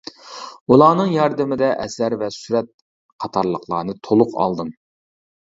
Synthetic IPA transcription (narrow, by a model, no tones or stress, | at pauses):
ulˠɑːnɨŋjɑɾd̪ɪmɪd̪ɛʔɛsæɾvɛsyɾɛt̪̚ | qʰɑt̪ʰɑɾlˠəqlˠɑ̰ːnɨt̪ʰolˠʊqʰɑ̰lˠd̪ɨm